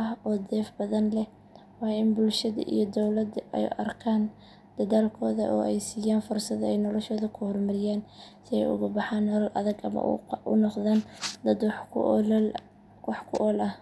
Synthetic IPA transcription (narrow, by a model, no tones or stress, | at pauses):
ɐɦɔːd̪ɛːfbɐðɐnlɛ | wɑːɪnbʊlʃɐðɐ̰ʔḭjɞd̪ɔwlɐd̪ɛ̰jʔɐ̰rkʰaːn | d̪̥ɐðaːlkʰɔːðɐ̰ʔɔ̰ːʔɛjsiːjaːnfʊrsɐðɐɛjnɔlɔʃɔːðɐkʰʊhɔrmɐɾɪjaːnsɪɛ̰jʊ̰ɣʊbɑħaːnːɔlɐlʔɐ̰ðɐɡɐ̰mɐ̰ʔʊ̰nɔqðaːnd̪ɐd̪w | wɑħkʰʊʔɔːlʔɐh